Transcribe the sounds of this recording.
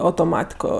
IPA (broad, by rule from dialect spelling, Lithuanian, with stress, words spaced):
ɐʊtoːˈmɑːtʲɪkoː